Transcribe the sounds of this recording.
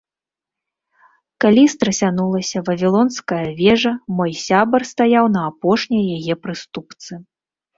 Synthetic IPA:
kalʲist̪ɾɐsʲanulˠɐsʲɐvɐvʲilˠɔnskɐjɐvʲɛʐɐmɔjsʲabɐrst̪ajawnɐːpɔʂnʲɐjɐjajɛpɾɨst̪upt̪sɨ

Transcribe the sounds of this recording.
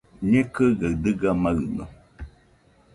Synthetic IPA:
ɲekəɡad̪ɨɡamaɨno̰

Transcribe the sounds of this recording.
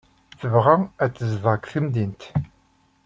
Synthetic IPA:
θəvʁaæt͡sːəzvˤɑkθimd̪int̪

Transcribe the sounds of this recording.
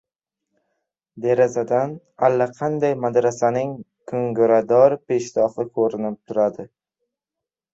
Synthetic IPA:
d̪eɾazad̪an | alːaqʰɑnd̪ajmad̪ɾasanɪŋ | kʰɵŋɡʊɾad̪ɒɾpe̞ʃt̪ɒfɪkʰɵɾɪnɪp̚t̪ʰʊɾad̪ɪ

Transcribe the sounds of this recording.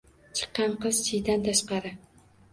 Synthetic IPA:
t͡ʃʰɨ̥qːɑɴqɨzt͡ʃʰɪjd̪ant̪ʰaʃqɑɾɪ

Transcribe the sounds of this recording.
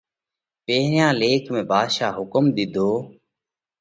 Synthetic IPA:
peːɾjãːleːkmẽːbʱaːd̪ʃaːɦʊkəmd̪ɪd̪ʱoː

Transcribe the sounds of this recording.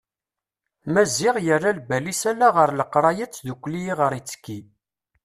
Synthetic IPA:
mæzːɪʁjərːalbælisælaʁəɾˤləqːɾˤɑjət͡sːðukʷːliiʁəɾit͡sːə̥kːi

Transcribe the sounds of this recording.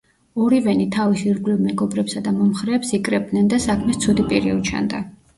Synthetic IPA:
ɔɾivɛnit̪ʰavisiɾɡlivmɛɡɔbɾɛpsad̪amɔmχɾɛːpsikʼɾɛb̚d̪nɛnd̪asakʰmɛst̪sʰud̪ipʼiɾḭut͡ʃʰa̰nd̪a

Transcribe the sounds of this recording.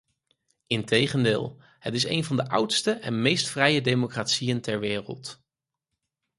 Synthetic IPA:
ɪntejχəndɪ̰ːlˠ | hətɪsḛjnvɑndəʔʌwtstəʔɛnmejstfrɛjədejmokraːtsijəntɛɹʋɪːrə̰lˠt

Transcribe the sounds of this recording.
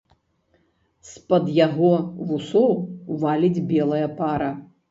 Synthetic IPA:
spɐd̪jaɣɔvusɔwvalʲid͡zʲbʲɛlˠɐjɐpaɾɐ

